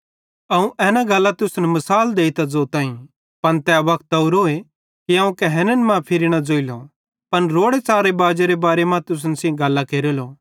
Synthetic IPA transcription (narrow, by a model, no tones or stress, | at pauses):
ɐũʔɛːnãɡɐlːat̪ʊsnɛmɐsaːld̪eːit̪ad͡zoːt̪aːĩ | pɐnt̪ɛːʋɐkʰt̪ɐʊɾoːe | kiaːũkɛɦɛːnənmãpʰɪɾiñad͡zoːilo | pɐnɾoːɽet͡saːɾebaːd͡ʒeɾebaːɾemãt̪ʊs̬nɛsĩɡɐlːakeːɾeloː